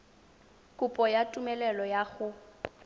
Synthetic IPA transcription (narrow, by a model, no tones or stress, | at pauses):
kʼʊpʼɔjatʼumɛlɛlɔjaɣʊ